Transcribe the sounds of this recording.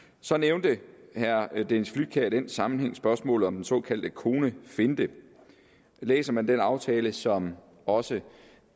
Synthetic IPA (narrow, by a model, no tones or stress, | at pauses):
sɒ̽neʊnd̥əhæɐd̥ensflyd̥̚kʰæɐid̥ensɑ̈mn̩heŋ̰sb̥ɶɐsmɔ̰̽ːlð̩ˠɒ̽md̥ensɔ̰̽ːkʰæl̰d̥əkʰo̝ːnəfe̝nd̥ə | lḛːsɐmænd̥enɑ̈ʊt͡sʰɛːləsɒ̽m | ɒ̽sə